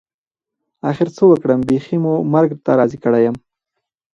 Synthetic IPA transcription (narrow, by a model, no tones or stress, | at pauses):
axɪɾt͡səwəkɽəmbeximumaɾɡt̪aɾɑzikəɽajəm